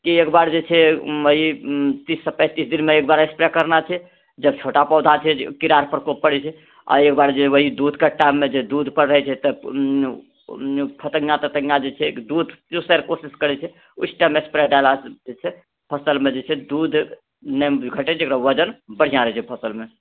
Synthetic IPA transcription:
kiekbaɾd͡ʒet͡ʃʰɛəɦit̪isːəpɛ̃t̪isd̪inmeek̚baɾekspɾɛkəɾnat͡ʃʰɛ | d͡ʒəb̚t͡ʃʰoʈapəd̪ʱat͡ʃʰɛkiɾaɾpəɾkopːəɽɛt͡ʃʰɛ | ɔ̰ɾekbaɾd͡ʒeɛʋəɦid̪ud̪ʱkaʈamːed͡ʒed̪ud̪ʱpəɾɾəɦɛt͡ʃʰɛt̪ə | pʰət̪əɡjat̪ət̪əɡjad͡ʒet͡ʃʰɛkd̪ud̪ʱusɛɾkosiskəɾɛt͡ʃʰɛ | usʰʈamekspɾɛɖaɪlad͡ʒet͡ʃʰɛ | pʰəsəlmed͡ʒet͡ʃʰɛd̪ud̪ʱ | nɛɡʱəʈɛt͡ʃʰekɾaʋəd͡ʒənbəɽ̤ijãɾəɦt͡ʃʰɛpʰəsəlme

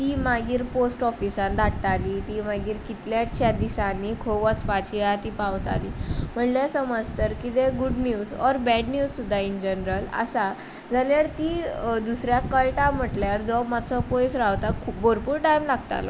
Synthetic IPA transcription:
t̪iːmaɡiːɾposʈɔfisãnd̪ʱaʈːaliːt̪iːmaɡiːɾkit̪ljat͡ɕʰjad̪isanːikʰoʋəspat͡ɕʰijat̪iːpawt̪a̰liːm̤əɳljasəməd͡zt̪əɾkit̪eɡuɖnjuːzɔɾbɛɖnjuzsud̪ʱːaind͡ʑənɾəla̰sa | d͡zaljaɽt̪iːd̪usɾjakəlʈam̤əʈljaɾd͡zɔmat͡sʰɔpojsɾaʋt̪akʰuːp̚bʱoɾpuːɾʈajmlaɡt̪a̰lɔ̰

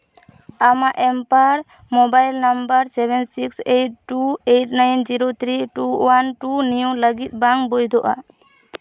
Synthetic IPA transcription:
amaʔɛmpaɾ | mobajlnambəɾsɛbɛnsiksejʈ̚ʈuejʈnajnd͡ʒiɾot̪ʰɾiʈuwanʈunijoləɡit̪̚ˀbaŋbojd̪ʱɔʔa̰

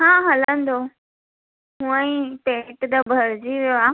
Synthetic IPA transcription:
ɦãːɦələ̃nd̪o | ɦũə̃ĩteʈd̪əbʱəɾd͡ʑiʋjoaː

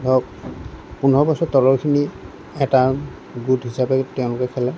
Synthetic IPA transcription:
ɔ | punɔɹɔbɔsɔtɔlɔɹkʰini | ɛta | ɡudɦisapɛtɛʊ̃lʊkɛkʰɛlɛ

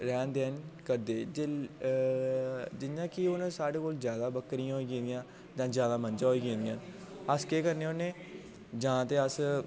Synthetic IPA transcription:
ɾɛːnd̪eːnkəɾd̪eːd͡ʒ | d͡ʒɪnːãːkɪonːsaːɽeːkoːlzjaːd̪aːbəkɾiːãːɦoiːkẽːnd̪ɪjãː | d͡ʒãːd͡ʒjaːd̪aːmənd͡ʒãːɦoiːkẽːnd̪ijãː | əskeːkəɾneːonẽː | d͡ʒãːt̪eːəs

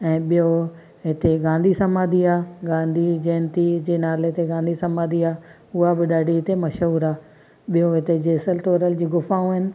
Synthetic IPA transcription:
ɛ̃ːɓijo | ɦɪt̪eɡãːnd̪ʱisɐmaːd̪ʱiaːɡãːnd̪ʱid͡ʑɛːnt̪id͡ʑeːnaːleɦɪt̪eɡãːnd̪ʱisɐmaːd̪iaː | ʊɦabɪɗaːɖiɦɪt̪emɐʃɦuːɾaː | ɓijoɦɪt̪ed͡ʑeːsəlt̪oːɾəld͡ʑiːɡʊfaːũɪnɪ̆

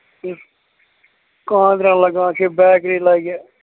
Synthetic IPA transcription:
kãːd̪ɾãːləɡãːkʰeːbɛːkɾiːlaːɡjaː

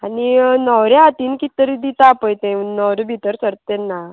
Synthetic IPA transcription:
aninəwɾeat̪iːnkit̪əɾid̪it̪apəjt̪ẽnɔwɾbʱit̪əɾsəɾt̪enːa

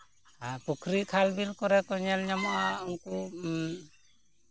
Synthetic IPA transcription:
apukʰɾikʰalbilkɔɾɛkɔɲɛlɲamɔʔauŋku

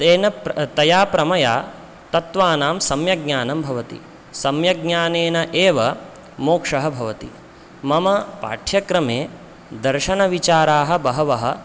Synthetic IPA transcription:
eːnɐt̪ɐjaːpɾɐmɐjaː | t̪ɐt̪ʋaːnaːmsɐmjɐɡɲaːnɐmbʱɐʋɐt̪ḭ | sɐmjɐɡ̚ɲaːneːnɐʔeːʋɐ | moːkʂɐɦɐbʱɐʋɐt̪ḭ | mɐmɐpa̰ːʈʰjɐkɾɐmeː | d̪ɐɾʃɐnɐʋit͡ʃaːɾaːɦɐ̆bɐɦɐʋɐɦɐ̰̆

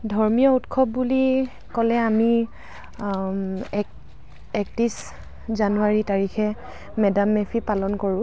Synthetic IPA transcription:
dʱɔɹmijɔutkʰɔb̚buli | kɔlɛami | ɛk̚tis | zanuaɹitaɹixɛ | mɛdamːepʰipalɔnkoɹʊ̃

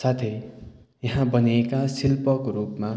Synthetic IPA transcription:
sat̪ʰʌ | jʌɦãbʌniekasilpʌkoɾupma

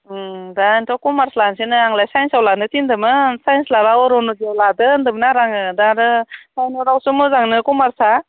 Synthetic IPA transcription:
dantɔwkumaɾslansinɯaŋlajsajnsawlanɯtindɯmɯsajnslaɾaɔɾɔnoziawladɯndɯmnaɾaŋɯdaɾɯsajnɔɾawsumɯzaŋnɯkumaɾsa

